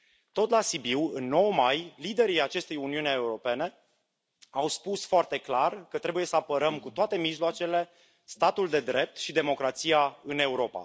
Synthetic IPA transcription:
t̪o̞t̪lasibiwɨnːo̞wmajlid̪e̞ɾiat͡ʃe̞st̪ejuniuneeuɾo̞pe̞ne̞ | awspusfoart̪e̞klarkət̪ɾe̞buje̞səapəɾəmkut̪oat̪e̞miʒloat͡ʃe̞le̞ | st̪at̪uld̪e̞d̪ɾe̞p̚t̪ʃid̪e̞mo̞kɾat̪sijaɨne̞uɾo̞pa̰

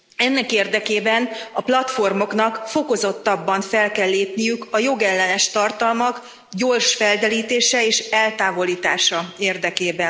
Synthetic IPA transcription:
ɛnːɛkeːrd̪ɛkeːbɛnɒplɒt̪fo̞rmo̞knɒkfo̞ko̞zo̞t̪ːɒbːɒɱfɛlkɛlːeːpnijykɒjo̞ɡɛlːɛnɛʃt̪ɒrt̪ɒlmɒk | ɟo̞rʃfɛld̪ɛliːt̪eːʃɛeːʃɛlt̪aːvo̞liːt̪aːʃɒeːrd̪ɛkeːbɛn

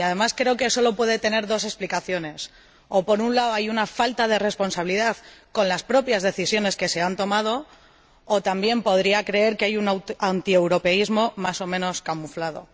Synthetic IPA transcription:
aðe̞maskɾe̞oke̞so̞lo̞pwe̞ð̞et̪e̞ne̞ɾðo̞se̞splikaθjo̞ne̞s | opo̞ɾunlaoajunafalt̪að̞e̞re̞spo̞nsaβiliðaðko̞nlaspɾo̞pjazðe̞θisjo̞ne̞ske̞se̞ant̪o̞mað̞o̞ː | t̪ambje̞mpo̞ð̞ɾiakɾe̞e̞ɾkeajunaant̪iewɾo̞pe̞izmo̞maso̞mẽ̞no̞skamuflað̞o̞̰

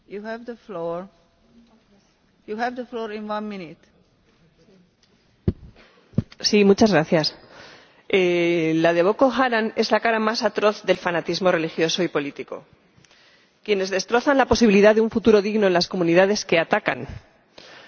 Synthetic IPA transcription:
juhɛvðəfloɹ | juhɛvðəflɔɹĩnwãnmĩnit̪ | simut͡ʃazɣɾaθjas | elað̞e̞βo̞ko̞xaɾane̞zlakaɾamasat̪ɾo̞θðe̞lfanat̪izmo̞re̞lixjo̞so̞ipo̞lit̪iko̞̰ | kje̞ne̞zðe̞st̪ɾo̞θanlapo̞siβiliðaðeuɱfut̪uɾo̞ðiɣnoenlasko̞mũniðað̞e̞ske̞at̪aka̰n

